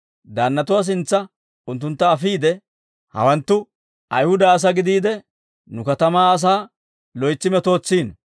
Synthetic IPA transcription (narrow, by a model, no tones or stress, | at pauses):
d̪aːnːɐt̪ʊwas̬ɪnt͡sːɐ | ʊnt̪̬ːʊnt̪ːɐːfiːd̪ɛ | hɐ̰wɐnt̪ːʊ | ʔɐ̰jhʊd̪ɐːs̬ɐɡɪd̪iːd̪ɛ | nʊkɐt̪ɐmaːɐs̬aː | lɔjt͡sːɪmɛt̪o̞ːt͡sːiːn